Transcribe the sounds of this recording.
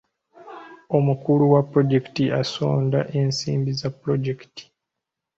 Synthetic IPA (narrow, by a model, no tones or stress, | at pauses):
o̞mukuluwapːɾo̞ɟeki̥tiaso̞̰ːndaʔensḭːmbizapːɾo̞ɟekti̥